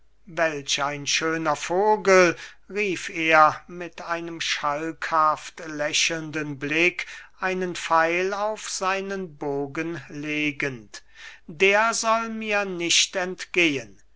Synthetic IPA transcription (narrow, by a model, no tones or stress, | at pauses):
vɛlɕaɪnʃøːnɐfoːɡəl | ʁiːfeːɐmɪtaɪnəmʃalkhaftlɛɕəlndənblɪkʰʔaɪnənfaɪlaʊfz̥aɪnənboːɡənleːɡənt | deːɐzɔlmiːɐnɪʃtɛntɡ̥eːən